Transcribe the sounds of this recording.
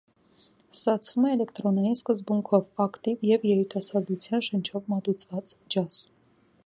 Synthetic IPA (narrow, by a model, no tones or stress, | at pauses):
st̪ɑt͡sʰv̥umɛːlɛkt̪ɾɔnɑjinskəzbuŋkʰɔvɑkt̪ivjɛvjɛɾit̪ɑsɑɾɡ̪ut͡sʰjɑnʃənt͡ʃʰɔvmɑt̪ut͡sʰvɑt͡sd͡ʒɑs